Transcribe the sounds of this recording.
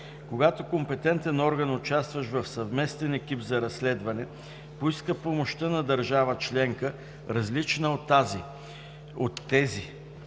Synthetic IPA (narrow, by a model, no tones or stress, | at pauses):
koɡat̪okompɛt̪ɛnt̪ɛnɔɾɡənʊt͡ʃast̪vɐʃvɐfsɐvmɛst̪ɛnɛk̟ipzɐɾɐslɛd̪vɐnɛ | poiskəpomoʃt̪ənɐd̪ɐɾʒavət͡ʃlɛŋkə | ɾɐzlit͡ʃnəot̪ːazi | ot̪ːɛzi